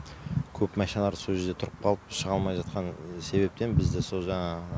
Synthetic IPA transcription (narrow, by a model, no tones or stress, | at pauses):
kʲʰɵpmæʃnɑlˠɑɾsoʒeɾd̪e̞t̪ʰʊɾəp̚qʰɑlˠəpʃəʁɑlˠmɑjʒɑt̪̚qɑnse̞be̞p̚t̪enbɪzd̪ɪso̞lˠʒɑɴɑ